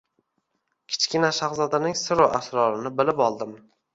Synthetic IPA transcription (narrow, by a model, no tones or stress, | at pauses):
kʲʰɪ̥t͡ʃkʲɪnaʃaχzɒd̪anɪŋsɪɾoʔasɾɒɾɪnɪbɪlɪpɒlˠd̪ɪm